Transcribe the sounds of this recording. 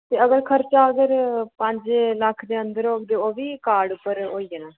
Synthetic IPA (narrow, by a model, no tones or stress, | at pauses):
t̪eːəɡəɾkʰəɾt͡ʃaːəɡəɾpəɲd͡ʒləkʰːd̪eːə̃nd̪əɾoːkd̪eːoːʋiːkaːɖʊpːəɾoːiːeːnãː